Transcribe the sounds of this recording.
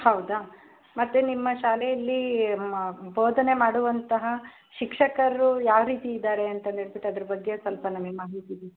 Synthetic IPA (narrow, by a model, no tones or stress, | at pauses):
hɐwd̪a | mɐt̪ːenimːɐʃaːlɛjɐlːi | boːd̪ʱɐne̞maːɽuʋɐnt̪ɐɦɐ | ʃikʂɐkɐɾɐɾujaːʋɾiːt̪iːd̪aːɾeɐnt̪ɐneɭbeʈːɐd̪ɐɾɐbɐɡːesɐlpɐnɐmimaːɦit̪id̪i